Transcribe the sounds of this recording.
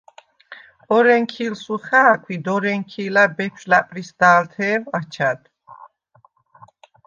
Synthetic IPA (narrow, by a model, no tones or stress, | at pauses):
ɔɾɛŋkʰilsuχaːkʰwid̪ɔɾɛŋkʰiːlabɛpʰʃlapʼɾisd̪aːlt̪ʰɛːvat͡ʃʰad̪̥